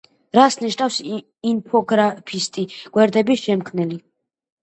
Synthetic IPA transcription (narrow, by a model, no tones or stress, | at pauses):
ɾasniʃnafs | inpʰɔɡɾapʰist̪ʼiɡ̥wɛɾd̪ɛbiʃɛmkʰmnili